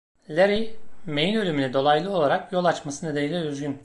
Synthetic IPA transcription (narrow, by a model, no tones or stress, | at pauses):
lʲeɾimejinølʲymynʲɛd̪o̞lˠajlˠɯo̞lˠaɾakjo̞lˠat͡ʃmasɯned̪enilʲiyzɡʲyn